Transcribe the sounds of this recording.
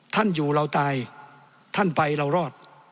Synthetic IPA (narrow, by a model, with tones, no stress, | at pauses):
t̪ʰa˥˩njuː˨˩ɾa˧wt̪aː˧j | t̪ʰa˥˩npa˧jɾa˧wɾɔː˥˩t̪̚